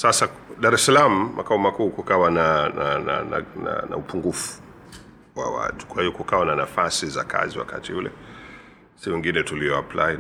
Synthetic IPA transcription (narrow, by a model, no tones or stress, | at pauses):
sasaɗaɾɛsalam̩mʔakaumakuːkukawananana̰na̰na̰na̰upuŋɡufu̥ | wa̰wa̰tu̥kwahiɔkukawananafasizakʰa̰ziwa̰kʰa̰tʰiulɛ̰ | siwɛŋɡinɛtuliɔapla̰i